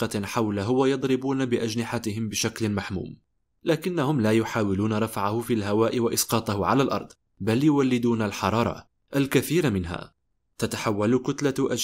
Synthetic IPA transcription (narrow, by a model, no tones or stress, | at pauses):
qɑħawlaɦʊwajɑd̪ˤɾɪbuːnabɪʔad͡ʒnɪħat̪ɪɦɪmbɪʃaklmaħmṵːm | laːkɪnːahʊmlaːjʊħaːwɪluːnaɾˤɑfʕahʊfiːlɦawaːʔɪwaʔɪsqɑːt̪ˤɑhʊʕalaːlʔɑ̰ɾˤd̪ˤ | baljʊwalːɪd̪uːnalħɑɾˤɑːɾˤɑ̰ | ʔalkaθiːɾmɪnɦa̰ː | t̪at̪aħawːalkʊt̪laʔa